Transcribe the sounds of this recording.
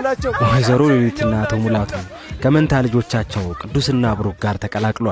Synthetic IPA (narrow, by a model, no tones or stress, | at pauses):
maɦazəɾojewet̪ʰɨnːaːt̪ʰomulawt̪ʰnəw | kʰəmənt̪ʰalɨd͡ʒo̞t͡ʃːat͡ʃːɛwkʼɨd̪ːusɨnːaβɨɾukɡaɾt̪ʰəkʼəlakʼlwall